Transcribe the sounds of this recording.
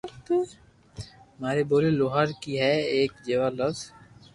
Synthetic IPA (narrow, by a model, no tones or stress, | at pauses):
t̪ː | maːɾeboːleloːɦəɾkiɦɛeːkd͡ʒeːʋaːləz